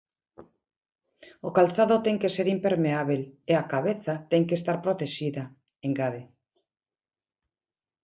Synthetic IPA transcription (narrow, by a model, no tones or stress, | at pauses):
okalθaðot̪ɛŋkeseɾimpeɾmeaβeleakaβeθat̪ɛŋkest̪aɾpɾot̪eʃiða | eŋɡaðe